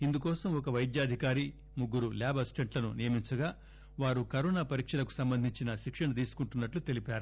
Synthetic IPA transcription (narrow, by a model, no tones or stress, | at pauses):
ind̪ukɔːsɐmɔkɐʋɐjd̪jaːd̪ʱikaːɾi | muɡːuɾuljaːbʱɐsʈeɳʈlɐnunijɐmiɲt͡ʃɐɡaː | ʋaːɾukɐɾɔːnaːpɐɾiːkʂɐlɐku̥sɐmbɐnd̪ʱiɲt͡ʃinɐʃikʂɐɳɐt̪̬iːsu̥kuɳʈunːɐʈlut̪e̞lipaːɾu